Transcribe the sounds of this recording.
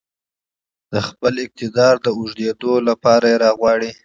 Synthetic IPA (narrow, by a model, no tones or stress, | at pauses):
d̪̥əxpəlɪk̚t̪ɪd̪ɑɾd̪əuʒd̪ed̪olapɑɾajeɾɑɣwɑɽi